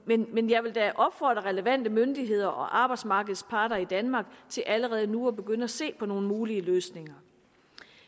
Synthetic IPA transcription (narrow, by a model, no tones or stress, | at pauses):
menmenjɑ̈ɪʋe̝ld̥æʔɒ̽b̥fɒ̰ːd̥ʁɐʁɛləʋæn̰d̥əmønd̥iɦe̝ð̞̰ˠɐʔɒ̽ʔɑ̈ːb̥ɑ̈ɪd̥smɑ̈ːɡ̥əð̞̩ˠspʰɑ̈ːɾɐid̥ænmɑ̈ːɡ̥̚t͡sʰe̝lʔæləʁɛːð̩ˠnuɒ̽b̥e̝ɡ̥øn̰əæse̝̰ːpʰɒ̽no̝ːn̩muːliəløːsne̝ŋɐ